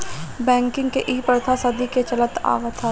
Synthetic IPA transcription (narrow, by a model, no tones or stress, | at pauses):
bɛ̃ːŋkɪ̃ŋɡkeʔiːpəɾt̪ʰasɐd̪iket͡ʃɐlət̪a̰ːʋət̪ʰa